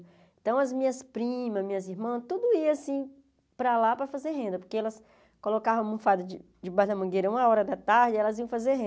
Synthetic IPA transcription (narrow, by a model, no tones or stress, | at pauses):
ẽt̪ɐ̃w̃ɐzmĩɲɐspɾĩmɐzmĩɲɐziɾmɐ̃t̪ud̪ʊiasĩ | pɾalapɾɐfazeɾɦẽnd̪ɐpoɾkeɛlɐs | kolokavɐ̃w̃ũfad̪ʊd͡ʒɪ | d͡ʒɪbaɦd̪ɐmɐ̃ŋɡeɾɐũmɐɔɾɐd̪ɐt̪aɾd͡ʒɪɛlɐziɐ̃w̃fazeɾɦẽ